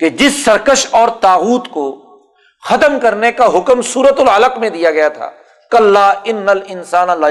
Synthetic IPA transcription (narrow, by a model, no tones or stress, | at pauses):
ked͡ʒɪsːɐɾkəʃɔːɾt̪aːɣuːt̪ko | xɐt̪əmkɐɾnekaɦʊkmsuːɾət̪ʊlɐləqmẽd̪ijaɡɐjat̪ʰa̰ː | kɐlːaːɪnːɐlɪnsaːnɐla